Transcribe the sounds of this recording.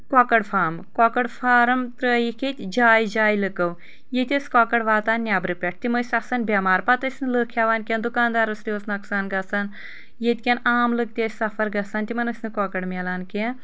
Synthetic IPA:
kɔːkɐɽfʰaːmkɔkɐɽfʰaːɾɐmt̪ɾəːjikʰet̪ʲd͡ʒaːjd͡ʒaːjlɨkɐw | jet̪ʲɐsʲkɔːkɐɽʋaːt̪aːnːʲaːbɾɨpʲɐʈ̚ʰt̪imɐsʲɐsɐnbʲamaːɾpɐt̪ɐsʲnɨləkʰjaːʋaːnkʲend̪ukaːnd̪aːɾɐsɾʲiʋosnɐksaːnɡɐsaːn | jet̪ʲkʲenaːmlɨk̚t̪ʲesʲsɐfɐɾɡɐsaːnt̪imɐnɐsʲnɨkɔːkɐɽmʲelaːnken

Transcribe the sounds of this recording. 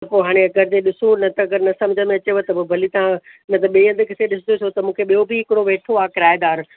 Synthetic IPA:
ɐpoːɦaːɽ̃eɐɡəɾd͡ʑeɗɪsonɐt̪ɐɐɡəɾnɐsɐ̃md͡ʑʱəmẽɐt͡ɕeʋot̪ɐbbʱɐlit̪ɐãnɐt̪ɐɓiːə̃nd̪kʰɪt̪eɗɪsɪd̪osot̪ɐmũːkʰeɓijobɪɦɪkɽoʋeːʈʰoaːkɪɾaːjd̪aːɾ

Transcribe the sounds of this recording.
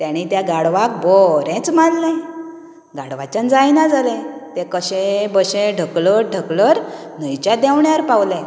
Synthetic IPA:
t̪jaɽ̃it̪jaɡaɽʋak̚bɔɾẽt͡smad̪lẽ | ɡaɽʋat͡ɕjand͡zajnad͡zalẽt̪ekəɕẽbəɕẽɖʱəkləɾɖʱəkləɾ | n̤əjt͡ɕjad̪awɳjaəɾpawlẽ

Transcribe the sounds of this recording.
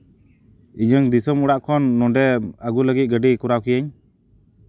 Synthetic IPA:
iɲəŋd̪isɔmuɽaʔkʰɔnːɔɖɛəɡuləɡit̪̚ˀɡəɖikuɾawkijaɲ

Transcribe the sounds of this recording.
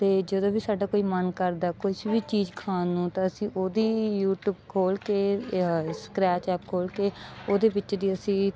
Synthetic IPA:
t̪eːd͡ʒəd̪õːbiːsaːɖaːkoːiːmənkəɾd̪aːkot͡ʃʋiːt͡ʃiːd͡ʒkʰaːnũːt̪ãːəsĩːʔoːd̪iːjuːʈjuːbkʰoːlkeː | sə̥kɾɛːt͡ʃɛːp̚kʰoːlkeːoːd̪eːbɪt͡ʃd̪iːəsĩː

